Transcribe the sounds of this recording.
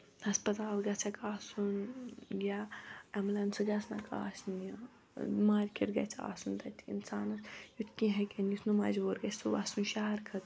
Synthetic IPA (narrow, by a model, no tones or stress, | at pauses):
hɐspɐt̪aːlɡɐt͡sʰɐkaːsunɡʲaɐmlɐnsɨɡʲɐsnɐ̰ka̰ːsnjɐ | maːɾʲkʰʲiɾɡɐ̰t͡sʰa̰ːsunt̪ɐt̪ʰʲiḭnsaːnɐsjut̪ʰkʲĩɦɐkʲɐnjit̪ʰnumɐzoːɾɡɐsuʋasunʃaːɐɾkʰɐt̪